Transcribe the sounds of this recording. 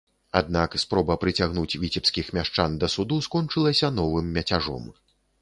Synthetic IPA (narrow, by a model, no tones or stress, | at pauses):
a̰d̪nakspɾɔbɐpɾɨt͡sʲaɣnut͡sʲvʲit͡sʲɛpskʲixmʲaʂt͡ʂand̪ɐsud̪uskɔnt͡ʂɨlˠɐsʲɐnɔvɨmːʲɐt͡sʲaʐɔ̰m